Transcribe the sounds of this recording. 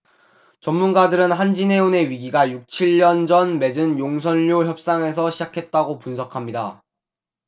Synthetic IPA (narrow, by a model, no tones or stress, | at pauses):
t͡ɕʌmmːunɡadɯɾɯnɦand͡ʑine̞une̞ɥiɡiɡajuk̚t͡ɕʰiʎːʌnd͡ʑʌnme̞d͡ʑɯnjoŋsʰʌnʎːoçjʌp̚s͈aŋe̞sʰʌɕʰid͡ʑakʰe̞t̚t͈aɡopunsʰʌkʰamɲida